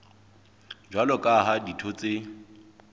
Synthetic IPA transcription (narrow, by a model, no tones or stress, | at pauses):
d͡ʒwalɔkʼaɦaditʰot͡sʼe